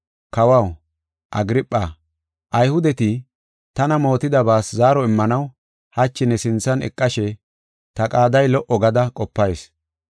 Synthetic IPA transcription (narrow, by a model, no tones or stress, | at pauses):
kɐwɐw | ʔɐ̰ɡɪɾɪpʼːa | ʔɐjhʊd̪ɛt̪ɪ | t̪ɐnɐmo̞ːt̪ɪd̪ɐbaːszaːɾɔɪmːɐnɐw | hɐt͡ʃːɪnɛsɪnt͡sːɐnɛ̰kʼːɐʃɛ | t̪ɐkʼaːd̪ɐjlɔʔɔɡɐd̪ɐkʼɔpːɐjs